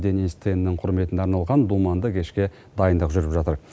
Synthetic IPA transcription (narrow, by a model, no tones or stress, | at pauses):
d̪eninst̪ʰennːɪŋqʰʊɾme̞t̪ɪnd̪eɑɾnɑlˠʁɑnd̪umɑnd̪əkʲʰe̞ʃkʲe̞ | d̪ɑjənd̪əqʒʏɾɪpʒɑt̪əɾ